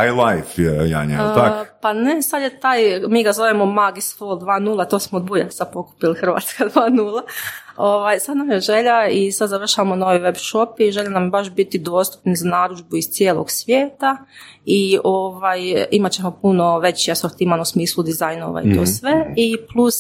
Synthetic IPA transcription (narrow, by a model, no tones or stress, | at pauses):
ajlˠajfja̰ɲa̰pane̞sad̪jet̪aːjmiːɡazo̞ʋemo̞maɡisfolˠd̪ʋaːnuːlˠat̪o̞ːsmod̪buja̰sad̪po̞ku̥pilixrʋa̰ːt̪skad̪ʋaːnuːlˠaoʋajsad̪namjeʒe̞ʎaisad̪zaʋr̩ʃaʋamono̞ʋiʋe̞bʃo̞piʒe̞ʎenambaʃbit̪id̪o̞st̪u̥pnizanaːɾud͡ʒbuist̪jeːlˠo̰ɡsʋjeːt̪aioʋajimat͡ɕemopuno̞ʋe̞t͡ɕiasoɾt̪imanusmiːslˠud̪izajno̰ʋa̰ḭt̪o̰ːsʋe̞iplˠus